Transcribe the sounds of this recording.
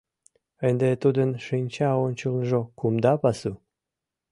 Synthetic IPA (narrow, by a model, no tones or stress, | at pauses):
ənd̪et̪ud̪ənʃinʲt͡ɕɑonʲt͡ɕulnʒokumd̪ɑpɑsu